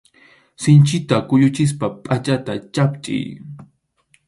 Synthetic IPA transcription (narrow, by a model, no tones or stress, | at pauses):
sɪnt͡ʃɪt̪akʊʎʊt͡ʃɪs̬papʼat͡ʃat̪at͡ʃapt͡ʃʼɪ̰j